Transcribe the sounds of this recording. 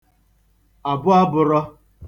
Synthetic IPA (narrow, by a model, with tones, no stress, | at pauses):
a˨bʊ˦a˦bʊ˨ɾɔ˦